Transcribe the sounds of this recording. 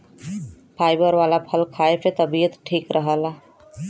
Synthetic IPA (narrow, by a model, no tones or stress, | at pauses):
pʰajbəɾʋalapʰəlkʰaepet̪əbijət̪ʈʰikɾʔəɦəl